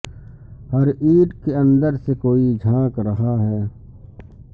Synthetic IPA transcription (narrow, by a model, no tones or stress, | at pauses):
hɐɾiːʈkeɐ̃nd̪əɾsekoːid͡ʒʱãːkɾɐɦaɦɛː